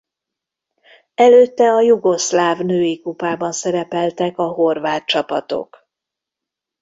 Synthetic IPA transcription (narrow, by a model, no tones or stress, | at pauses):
ɛløːt̪ːɛɒjuɡo̞slaːvnøːjikupaːbɒnsɛɾɛpɛlt̪ɛkɒɦo̞rvaːt̪̚t͡ʃɒpɒt̪o̞̰k